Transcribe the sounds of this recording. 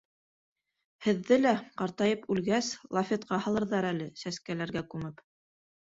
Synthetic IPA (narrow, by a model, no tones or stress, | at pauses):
hɘ̆ðːɘlæqɑɾt̪ɑjɤpʉlɡæslˠɑfʲet̪qɑhɑ̆lˠɤ̆ɾðɑɾælɘsæskælæɾɡækʉmɘp